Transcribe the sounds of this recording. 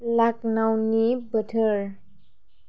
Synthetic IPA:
laknawnibətʰəɾ

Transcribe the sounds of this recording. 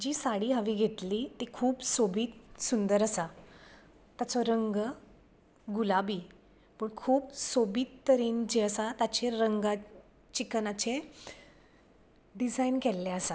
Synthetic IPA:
d͡ʑiːsaɽiːɦaʋiːɡʱet̪liːt̪ekʰuːbsobiːt̪sund̪əɾəsa | t̪jat͡sɔɾəŋɡ | ɡulabiː | pəɳkʰuːbsobiːt̪ːəɾend͡ʑeəsat̪at͡ɕeɾəŋɡa | t͡ɕiknat͡ɕe | ɖid͡zajnkɛlːɛəsa

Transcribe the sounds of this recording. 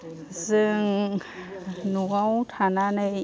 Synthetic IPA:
zɯŋ | nuɣawtʰananɯ

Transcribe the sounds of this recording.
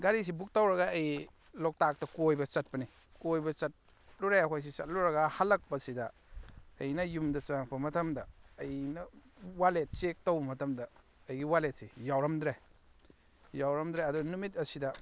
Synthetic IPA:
ɡaɾis̬ibuk̚tawɾɐɡaɐj | lok̚tak̚tɐkojbɐt͡ʃɐt̚pɐni | kojbɐt͡ʃɐt̚ | luɾajakʰojs̬isɐ̰t̚luɾɐɡahalɐk̚pɐsidɐ | ɐjnɐjumdɐt͡ʃaŋpʰɐmɐtʰɐmdɐːjnɐwalet̚t͡ʃek̚towbɐmɐtʰɐmdɐ | ɐjɡiwalet̚sijawɾɐmdɾe | jawɾɐmdɾeɐduɡɐnumit̚ɐsidɐ

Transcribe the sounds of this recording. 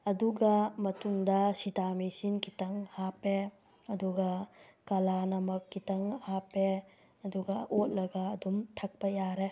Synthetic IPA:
ɐduɡɐmɐtuŋdɐsitamisinkitɐŋhape | ɐduɡɐkɐlanɐmɐkːitɐŋhape | ɐduɡɐʔot̚lɐɡɐːdumtʰɐk̚pɐjaɾe

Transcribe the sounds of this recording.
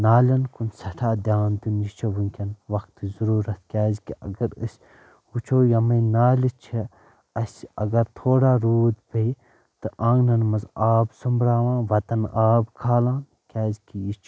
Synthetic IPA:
naːlʲɐnkunsɐʈʰaːd̪ʲaːnd̪unjit͡ʃʰɐʋuŋkʲɐnʋɐkt̪ɨzuɾuːɾɐt̪̚ʰkʲaːzkiɐ̰ɡɐɾə̰sʲ | ut͡ʃʰoːjɐmɐjnaːlit͡ʃʰi | ɐsʲɐ̰ɡɐɾt̪ʰoːɽaːɾuːd̪pej | t̪ɨʔãːŋɡnɐnmɐzaːbsumbɾaːʋãːnʋɐt̪ɐnaːbkʰaːlãːn | kʲaːzkijit͡ʃʰ

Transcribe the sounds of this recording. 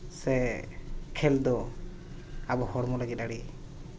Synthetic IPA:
sɛ | kʰɛld̪ɔ | abɔhɔɽmɔləɡit̪̚aɽi

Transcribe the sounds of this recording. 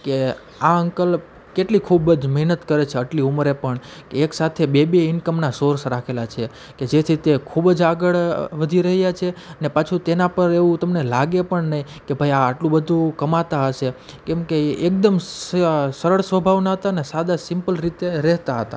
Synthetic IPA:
ke | aəŋkəl | keʈlikʰubd͡ʒməɦnət̪kəɾet͡ʃʰeəʈliumɾepəɳkeːksat̪ʰebebiɪnkəmnasoɾsɾakʰelat͡ʃʰe | ked͡ʒet̪ʰit̪ekʰubd͡ʒaɡəɭʋəd̪ʱiɾəɦjat͡ʃʰeənepat͡ʃʰut̪enapəɾeʋũt̪əmnelaɡepəɳnəɦikebʱajaːʈlũbəd̪ʱũkəmat̪aəʃe | kɛ̃mkeek̚d̪əm | səɾəɭsʋəbʱaʋnaɦət̪aənesad̪asɪmpəlɾit̪eɾɛɦt̪aɦət̪a̰

